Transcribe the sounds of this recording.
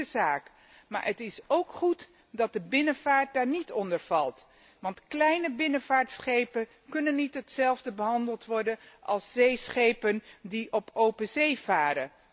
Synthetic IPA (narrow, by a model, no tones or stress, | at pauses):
əzaːk | ma̰ːɹətɪsowkχut | dɑt̚dəbɪnəv̥aːɹt̚daːɹnitɔndəɹv̥ɑlˠt | ʋɑntklɛjnəbɪnəvaːɹtsχejpən | kɵnənːitɦətsɛlˠvdəbəɦɑndəlˠtʋɔɹdənʔɑ̰lˠsz̥ejsχejpəndiʔɔpʰowpəzejvaːɾə